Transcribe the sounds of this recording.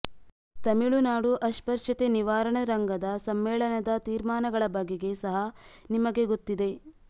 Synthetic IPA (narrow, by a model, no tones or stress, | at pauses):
t̪ɐmiɭunaːɽuʔɐʃpɐɾʂɐt̪eniʋaːɾɐɳɐɾɐŋɡɐd̪ɐsɐmːɛːɭɐnɐd̪ɐt̪iːɾmaːnɐɡɐɭɐbɐɡːeɡe̞sɐɦɐnimɐɡe̞ɡot̪ːid̪e̞